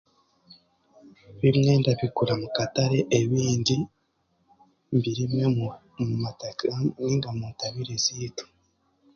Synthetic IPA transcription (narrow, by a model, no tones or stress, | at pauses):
βimŋeːndaβikuɾamukataɾe̞ʔeβiːndi | mbiɾimŋe | iːŋɡamuntaβiɾezitu̥